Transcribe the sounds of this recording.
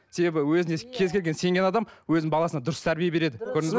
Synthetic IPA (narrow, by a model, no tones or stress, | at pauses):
se̞be̞bɪwɵzɪnekʲʰe̞zkʲʰe̞lɡʲe̞nse̞ŋɡʲe̞nɑd̪ɑmwɵzɪŋbɑlˠɑsənɑd̪ʊɾəst̪ʰæɾbijebe̞ɾe̞d̪ɪkʲʰɵɾɪŋɪz